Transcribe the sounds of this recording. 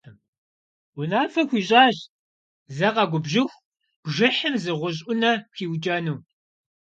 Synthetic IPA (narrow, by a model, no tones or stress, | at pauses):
m | ʊnaːfɐxʷiːɕʼaːɕ | zɐqɐɡʷʊbʒɪxʷ | b̥ʒɪħəmzɨʁʷʊʑ̬ʼʷʊnɐxiːwd͡ʒʼɐnuː